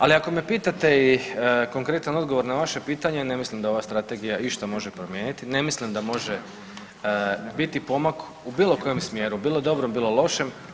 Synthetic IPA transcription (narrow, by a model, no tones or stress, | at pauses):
aliako̞mepiːt̪at̪e̞iko̞ŋkɾe̞t̪ano̞d̪ɡo̞ʋo̞ɾnaʋaʃe̞piːt̪aɲe̞ne̞mislimd̪ao̞ʋast̪ɾat̪e̞ɡijaiʃt̪amo̞ʒe̞pɾomje̞ːnit̪ine̞mislimd̪amo̞ʒe | bit̪ipo̞mak | ubiːlo̞ko̞jemsmje̞ːɾubiːlˠod̪o̞bɾombiːlˠo̞lˠo̞ʃe̞m